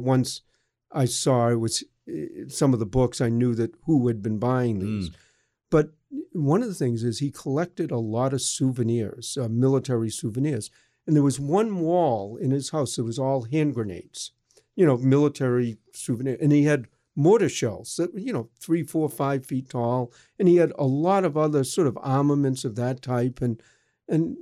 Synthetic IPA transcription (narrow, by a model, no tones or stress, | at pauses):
wʌ̃ns | ʔaɪsɔɪt̚wʌz̥ | sʌ̃mʌvðəbʊksaɪnjʉðɨt̚huɨd̚bɨ̃nbaɪɪ̃ŋðiz | b̥ʌt̚ | wʌ̃nʌvðəθɪ̃ŋzɨz̥ikʰəlɛk̚tɨɾəlɔɾʌv̥suvɨnɪɹz̥ʌmɪlˠətʰɛɹisʉvɨnɪɹz̥ | ɨ̃nðə˞wʌzwʌ̃nwɔlˠɪ̃nɨz̥haʊsðət̚wʌzɔlˠɦæ̃nɡɹɨnḛɪts | jɨñoʊmɪlˠətʰɛɹi | sʉvɨnɪɹʔɨ̃niɨd̚ | moʊɾɨʃɛ̰lˠz̥ðɨt̚jɨnoʊθɹifɔɹfaɪv̥fitʰɔlˠ | ɨ̃niɨɾə̰lɔɾʌvʌðə˞sɔɹɾʌvɑɹməmɨ̃ntsʌvðɨtʰaɪpɨ̃n | ɨ̃n